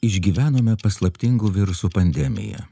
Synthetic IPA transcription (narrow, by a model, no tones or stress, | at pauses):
ɪʒʲɡʲiːʋʲæːnoːmʲɛpɐslˠɐpʲt̪ʲɪŋɡuːʋʲɪɾʊsuːpɐnʲd̪ʲɛmʲɪ̰jɛ̰